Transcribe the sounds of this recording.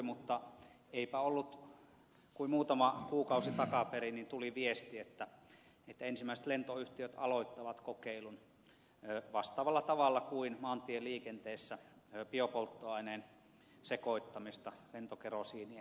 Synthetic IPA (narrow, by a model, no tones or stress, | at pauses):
mut̪ːɑ | eipæolːut̪ | kuimuːt̪ɑmɑkuːkɑusit̪ɑkɑperinint̪uliʋiest̪iet̪ːæ | et̪ːæensimːæisĕ̥t̪lent̪oyht̪iøt̪ɑ̰loit̪ːɑʋɑt̪kokeilun | ʋɑst̪ɑːʋɑlːɑt̪ɑʋɑlːɑkuinmɑːnt̪ieliːkent̪eːsːæ | piopolt̪ːoɑineːn | sekoit̪ːɑmist̪ɑlent̪okerosiːni